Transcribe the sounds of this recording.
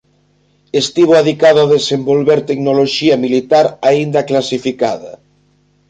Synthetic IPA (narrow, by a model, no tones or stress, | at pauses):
est̪iβ̞oaðikaðoaðesembolβeɾt̪eknoloʃiamilit̪aɾaind̪aklasifikaðɐ̰